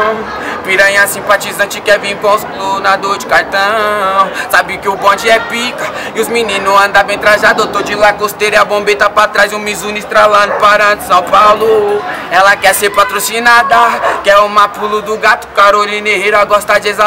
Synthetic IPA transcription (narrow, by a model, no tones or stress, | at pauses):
piɾɐ̃j̃asĩpat͡ʃizɐ̃t͡ʃɪkɛvĩkõʊsplonad̪oɾd͡ʒɪkaɾt̪ɐ̃ | sabikɪʊbõd͡ʒɪɛpikɐ | ɪʊzminĩnʊɐ̃d̪avẽt̪ɾaʒad̪ot̪od͡ʒɪlakost̪eɾɪabõmbet̪apat̪ɾajzũmizũnist̪ɾalɐ̃d̪ʊpaɾɐ̃d̪ʊsɐ̃w̃pawlʊɛlɐkɛseɾpat̪ɾosinad̪akɛõmapulʊd̪ʊɡat̪ʊ̥kaɾolĩneheɾaɡɔɾst̪ad͡ʒeza